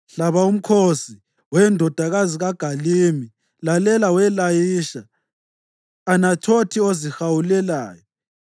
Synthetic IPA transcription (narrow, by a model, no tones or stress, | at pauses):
ɬaβaum̩kʰosi | wɛndʱɔd̥ʱaɣaziɣaɡ̥ʱalimi | lalɛlawɛlajiʃa | nat͡ʃʰotʰiozixawulɛlaːjɔ